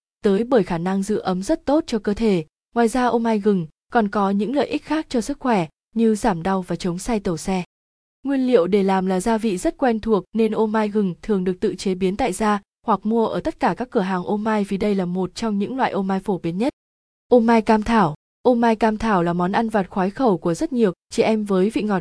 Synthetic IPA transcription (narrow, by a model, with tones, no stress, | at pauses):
t̪əː˨˦jɓəː˧˩jxaː˧˩na˧ŋzɨ̰˧˥ʔə˨˦mzə˦˥t̚t̪o˦˥t̚t͡ɕɔ˧kəː˧t̪ʰe˧˩ | ŋwaː˨˩jzaː˧ʔo˧maː˧jɣɨ˨˩ŋ | kɔ˨˩nkɔ˨˦ɲɨ̰˧˥ŋlə̰ː˧˨ʔi˦˥k̚xaː˦˥k̚t͡ɕɔ˧sɨ˦˥k̚xwɛ˧˩ | ɲɨ˧zaː˧˩mɗa˧wvaː˨˩t͡ɕə˨˦wŋ͡msa˧jt̪ə˧˩sɛ˧ | ŋwi˧ənlḭ˧˨əwɗe˧˩laː˨˩mlaː˨˩zaː˧vḭ˧˨zə˦˥t̚kwɛ˧nt̪ʰu˨˩ək̚ne˧nʔo˧maː˧jɣɨ˨˩ŋt̪ʰɨ˨˩əŋɗɨ˨˩ək̚t̪ɨ̰˧˨t͡ɕe˨˦ɓi˨˦nt̪a̰ː˧˨jzaː˧ | hwa˨˩k̚mu˧əʔəː˧˩t̪ə˦˥t̚kaː˧˩kaː˦˥kːɨ˧˩əɦaː˨˩ŋʔo˧maː˧jvi˨˦ɗə˧jlaː˨˩mo˨˩t̚t͡ɕɔ˧wŋ͡mɲɨ̰˧˥ŋlwa̰ː˧˨jʔo˧maː˧jfo˧˩ɓi˨˦nɲə˦˥t̚ | ʔo˧maː˧jkaː˧mt̪ʰaː˧˩w | ʔo˧maː˧jkaː˧mt̪ʰaː˧˩wlaː˨˩mɔ˨˦nʔa˧nvaː˨˩t̚xwaː˨˦jxə˧˩wku˧˩əzə˦˥t̚ɲi˨˩əwt͡ɕi˧˩ʔɛ˧mvəː˨˦jvḭ˧˨ŋɔ˨˩t̚